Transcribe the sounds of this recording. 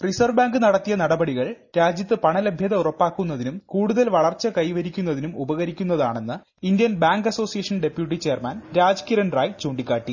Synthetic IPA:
risɐrʋbaːŋɡɨnɐɽɐt̪ːijɐnɐɽɐbɐɽiɣɐɭɾaːd͡ʑjɐt̪ːɨpɐɳɐlɐbʱjɐðɐurɐpːaːkːunːɐðinumkuːɽuðɐlʋɐɭɐrt͡ɕːɐkɐjʋɐɾikʲːunːɐðinumubɐɣɐɾikʲːunːɐðaːɳe̞nːɨ | ind̪jɐnbaːŋɡɐso̞ːsijɐʂɐnɖe̞pjuʈ̬ːit͡ɕe̞ːrmaːnɾaːd͡ʑkiɾɐnraːjt͡ɕoːɳɖikʲːaːʈːi

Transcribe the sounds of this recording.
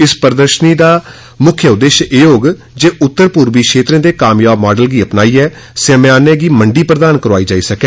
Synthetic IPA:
ɪspəɾd̪əɾʃəniːd̪aː | mʊkʰːjəʊd̪ːeːʃeːɦoːɡ | d͡ʒeːʊt̪ːəɾpuːɾbiːkʃeːt̪ɾẽːd̪eːkaːmjaːbmaːɖəlɡiːəpnaːiːɛː | semaːneːɡiːməɳɖiːpɾəd̪aːnkəɾoaːiːd͡ʒaːiːsəkɛ̃ː

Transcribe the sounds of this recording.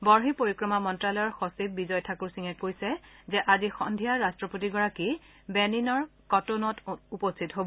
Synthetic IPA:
bɔɹɦipoɹikɹɔmamɔntɹalɔjɔɹxɔsib̚bizɔjtʰakuɹsiŋɛkojsɛzɛʔazixɔ̰ndʱijaɹastɹɔpotiɡɔɹaki | bɛninɔɹkɔtonɔtupɔstʰitɦobɔ

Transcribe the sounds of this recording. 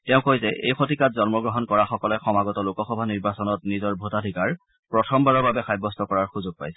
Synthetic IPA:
tɛʊ̃kojzɛʔejxotikatzɔnmɔɡɹɔɦɔnkɔɹaxɔkɔlɛxɔmaɡɔtɔlukɔxɔbʱaniɹbasɔnɔtnizɔɹbʱotadʱikaɹ | pɹɔtʰɔmbaɹɔbabɛxajbɔstɔkɔɹaɹxuzʊɡ̚pa̰jsɛ̥

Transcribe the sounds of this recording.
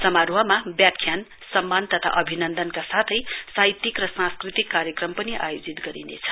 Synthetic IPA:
sʌmaɾwʌmabjakʰːjan | sʌmːant̪ʌt̪ʰa̰ʔʌbʱinʌnd̪ʌnkasat̪ʰʌjsait̪ːikrʌsãskrit̪ikːaɾjʌkrʌmpʌniʔa̰jod͡zit̪ɡʌɾḭnḛt͡sʰʌ̥

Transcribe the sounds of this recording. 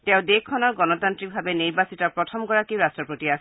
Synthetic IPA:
tɛ̃ʊ̃dekkʰːɔnɔɹɡɔnɔtantɹik̚bʱabeniɹbasitɔpɹɔtʰɔmɡɔɹakiɹastɹɔpɹotias

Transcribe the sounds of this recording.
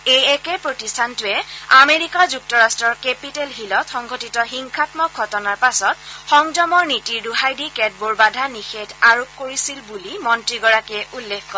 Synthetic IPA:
ejɛkɛpɹotistʰantʊɛameɹikazuk̚tɔɹastɹɔɹkepitelɦilɔtxɔŋɡɔtitɔxiŋkʰatmɔk̚ɡʰʱɔtɔnaɹpasɔtxɔŋdɔmɔɹnitiɹduɦajdikɛd̚boɹbadʱanixedʰaɹop̚koɹisilbulimɔntɹiɡɔɹakɛʔulːekkɔ

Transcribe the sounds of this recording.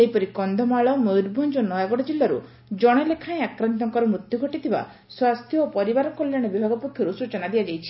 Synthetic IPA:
eɦipɔɾikɔnd̪ʱɔmaɭɔmowɾbʱɔnd͡ʒɔnɔjaɡɔɽɔd͡ʒilːaɾṵ | d͡ʒɔɽ̃ɔlekʰaẽakɾant̪ɔŋkɔɾɔmɾut̪juɡʱɔʈit̪ʰiba̰ | swast̪ʰjɔːpɔɾibaɾɔkɔljaɽ̃ɔbibʱaɡɔpukʰjɔɾusut͡ʃɔnad̪iad͡ʒajt͡ʃʰi̥

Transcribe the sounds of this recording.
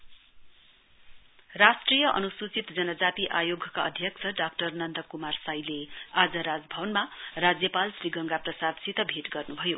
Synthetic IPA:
rasʈrijʌʔʌ̰nusut͡sit̪d͡zʌnʌd͡zat̪iʔajoɡʱʌkaʌd̪ʱjʌk̚t͡sʰʌɖak̚ʈʌrnʌnd̪ʌkumarsajlead͡zʌɾad͡zbʱʌbʌnmarad͡zjʌpalsriɡʌŋɡaprʌsad̪sit̪ʌbʱeʈɡʌrnubʱʌjo

